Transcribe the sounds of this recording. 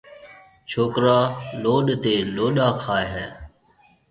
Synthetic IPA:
t͡ʃʰoːkɾaːloːɗt̪eːloːɗaːkʰaːeɦɛː

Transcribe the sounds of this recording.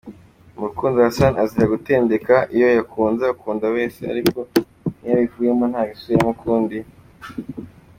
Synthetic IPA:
muɾukuːnziwasanaziɾaɡute̞ːnde̞kaʔijo̞jakʰuːnzaukuːnzaβe̞ːse̞̰a̰ɾiko̞ | nijaβivuːje̞monhaːɡisujamukʰuːndi

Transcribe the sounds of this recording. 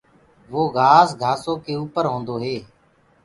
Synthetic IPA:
ʋoːɡʱaːsɡʱaːsoːkeːuːpəɾɦõːnd̪oːɦeː

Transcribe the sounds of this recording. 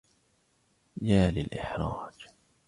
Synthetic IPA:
jaːlɪlʔɪ̰ħɾˤɑːd͡ʒ

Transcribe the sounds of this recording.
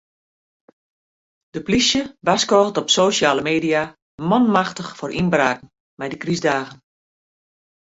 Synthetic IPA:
d̥əplisjəʋaskɔːɣˠtɔpsoːʃjaːləmeːdija | mɔnmaxtəxforʔinbraːkn̩ | mɛjdəkrizdaːɣən

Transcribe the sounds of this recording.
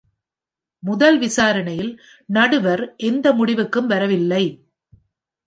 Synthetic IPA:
mʊðɐlʋɪsaːɾɐɳɐjɪl | nɐɽɯʋɐɾʔɛnd̪ɐmʊɽɪʋɯkːɯmʋɐɾɐʋɪlːɐɪ

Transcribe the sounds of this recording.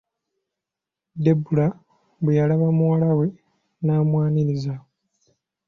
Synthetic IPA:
debula | βejalaβamuwalawe̞ | naːmwaːniɾiza

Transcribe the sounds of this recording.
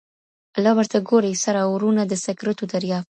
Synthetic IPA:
alɑwəɾt̪aɡoɾejsaɾawɾunad̪əsakɾat̪od̪aɾjɑ

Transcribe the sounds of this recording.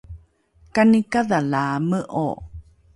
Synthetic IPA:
kanikaðalaməʔo̰

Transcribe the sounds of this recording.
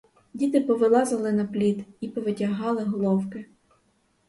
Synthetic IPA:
dʲit̪ɪpɔʋɪlˠɑzɐlˠɪnɐplʲit̪ipɔʋɪtʲɐɦɑlˠɪɦɔlˠɔwkɪ

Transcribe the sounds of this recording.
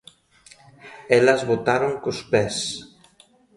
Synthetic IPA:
ɛlɐzβot̪aɾoŋkʊspɛs

